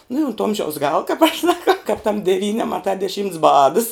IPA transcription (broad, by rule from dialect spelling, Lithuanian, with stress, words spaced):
nʊ ɪ oːnt ˈoːmʲʒʲɛʊs ˈɡɑːlˠɐ kɐp ɐʃ sɐˈkɐʊ kɐp tɐm dʲɛˈʋʲiːnʲɪ ɐmɐˈtɐ dʲɛˈʃʲiːmts ˈbɑːdɐs